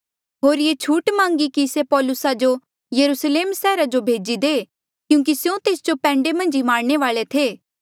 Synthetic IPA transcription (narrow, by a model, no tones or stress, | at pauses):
ɦoːɾjet͡ʃʰuːʈmãːŋɡikisepɔːlʊsad͡ʒo | jəɾuːsleːmsɛːɾad͡ʒobʱeːd͡ʒid̪eː | kjũːŋk̬isjõt̪eːsd͡ʒopɛ̃ːɳɖemɐ̃nd͡ʒimaːɾɳeʋaːɭet̪ʰeː